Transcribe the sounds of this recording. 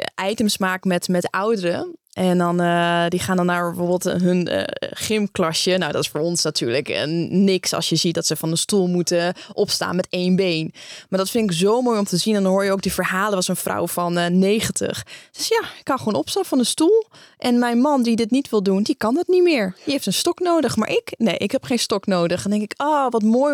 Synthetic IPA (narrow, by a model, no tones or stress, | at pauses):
ʔɛjtəmsmaːkəmɛtmɛtawdəɾəʔɛndɔndiχaːndɔnːaːɹbəfoːbəlˠtɦøn̰χɪmklɑʃjənawdɔtɪ̥sfoːɹɔnsnatʰyːɹləknɪksɑ̰lˠsjəzit̚dɔtsəfɔnənstulˠmutəʔɔpsta̰ːnmɛteːnbejnmaːɹdɑtfɪntɪkzowmoːjɔmtəzinɛndɔnɦoːɹjəowk̚divəɹɦaːlˠəʋɑsənvra̰wvɑnːejχəntə̰χd̥ɵsjaɪkːɑnχʋoːnɔpstaːnfɑnənstulˠʔɛnmɛjnmɑndidɪtnitʋɪlˠdundikɑndɑtnitmɪːɹjəɦejftənstɔknowdəχma̰ːɹʔɪknejʔɪkɦɛpχejnstɔknowdəχndɛŋkɪkɔːʋɑtmoːj